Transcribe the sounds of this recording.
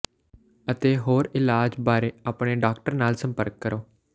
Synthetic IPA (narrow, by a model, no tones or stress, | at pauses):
ət̪eːɦoːɾɪlaːd͡ʒbaːɾeːaːpɽeːɖaːkʈəɾnaːlsə̃mpəɾkːəɾoː